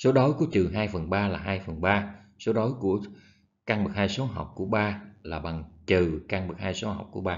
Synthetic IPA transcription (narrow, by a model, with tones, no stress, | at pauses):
so˨˦ɗo˨˦jku˧˩ət͡ɕɨ˨˩ɦaː˧jfə˨˩nɓaː˧laː˨˩ɦaː˧jfə˨˩nɓaː˧ | so˨˦ɗo˨˦jku˧˩ə | kaː˧ŋɓɨ˨˩k̚haː˧jso˨˦ɦa̰˨˩wk͡p̚ku˧˩əɓaː˧laː˨˩ɓa˨˩ŋt͡ɕɨ˨˩kaː˧ŋɓɨ˨˩k̚haː˧jso˨˦ɦa̰˨˩wk͡p̚ku˧˩əɓaː˧